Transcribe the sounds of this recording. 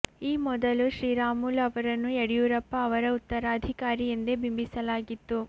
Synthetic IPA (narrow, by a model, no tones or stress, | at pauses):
iːmɔd̪ɐluʃɾiːɾaːmulɐʋɐɾɐnːueɽijuːɾɐpːɐːʋɐɾɐut̪ːɐɾaːd̪ʱikaːɾijind̪ebimbisɐlaːɡit̪ːu